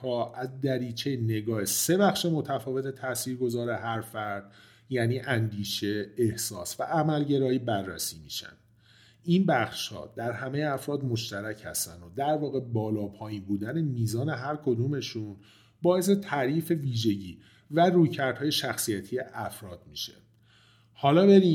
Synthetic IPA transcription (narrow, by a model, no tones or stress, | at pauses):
ɒːʔæzd̪æɾiːt͡ʃʰejene̞ɡɒːese̞bæxʃe̞mo̞t̪ʰæfɒːve̞t̪ʰet̪ʰæsiːɾɡo̞zɒːɾe̞ɦæɾfæɾd̪̥ | jæːniːʔænd̪iːʃe̞ːhsɒ̰ːsvæ̰ʔæmælɟe̞ɾɒːjiːbærːæ̰siːmḭːʃæ̰nd̪̥ | inbæxʃhɒ̰ːd̪̥æɾhæme̞jeæfɾɒːd̪mo̞ʃt̪æɾæcʰhæ̰st̪ænd̪od̪æɾvɒːɣe̞bɒːlɒːpʰɒːjinbuːd̪æne̞miːzɒːne̞ɦæɾkʰo̞d̪ume̞ʃun | bɒːe̞s̬e̞t̪ʰæɾiːfe̞viːʒe̞ɟiː | væruːjcʰæɾd̪̥hɒːje̞ʃæxsijæt̪ʰije̞ʔæfɾɒːd̪̥miːʃḛ | hɒːlɒːbe̞ɾi